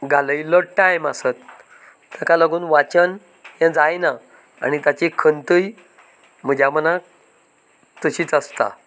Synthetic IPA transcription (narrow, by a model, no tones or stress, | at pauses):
ɡaləjləʈajməsət̪̚ | t̪akaləɡuːnʋat͡ɕən | jɛ̃d͡zajna | a̰ñit̪jat͡ɕikʰənt̪əj | m̤əd͡ʑʱjaməna | t̪əɕiːt͡səst̪a̰